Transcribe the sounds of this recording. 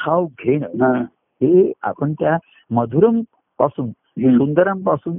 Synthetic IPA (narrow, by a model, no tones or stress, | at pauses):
kʰawɡʱeɽ̃ə | ɦea̰pəɳt̪ja | məd̪ʱuɾɐm | pasun | sund̪əɾəmpasun